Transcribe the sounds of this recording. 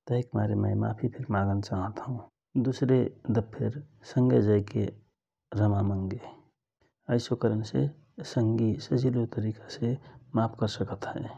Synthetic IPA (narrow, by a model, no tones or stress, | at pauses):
t̪əekmaɾeməɪma̰pʰipʰeɾmãɡənt͡ʃaɦət̪ɦũ | d̪usɾed̪əbpʰeɾsəŋɡed͡ʒəɪkḛ | ɾəmaməŋɡe | əɪsokəɾənse | səŋɡisəd͡ʒilot̪əɾikasemapʰkəɾsəkət̪ɦɛ̃